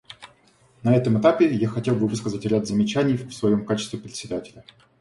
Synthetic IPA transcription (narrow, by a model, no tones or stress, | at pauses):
nɐɛt̪əmɨt̪apʲɪjaxɐtʲelˠbɨvɨskəzətʲɾʲad̪zəmʲɪt͡ɕænʲɪjfsvɐjo̞mkat͡ɕɪ̥st̪vʲɪpɾʲɪt̪sʲɪd̪atʲɪlʲə